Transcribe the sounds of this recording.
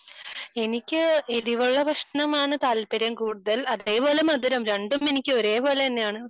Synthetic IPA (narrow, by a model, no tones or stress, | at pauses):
e̞nikʲːɨeðiʋuɭːɐʋɐkʂɳɐmaːɳɨt̪aːlpɐɾɐmkuːɽuðɐlɐðe̞ːpo̞ːlemɐd̪iɾɐmɾɐɳɖume̞nikʲːɨo̞ɾe̞ːpo̞ːlet̪ɐnːejaːɳɨ